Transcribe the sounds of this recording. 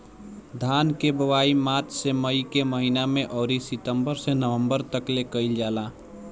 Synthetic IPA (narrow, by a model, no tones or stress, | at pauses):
d̪ʱaːnkebəwaːimaːt̪ʰseməikeməɦinamẽʔɔːɾisɪt̪əmbəɾsenəʋə̃mbəɾt̪əklekəɪld͡ʒaːlaː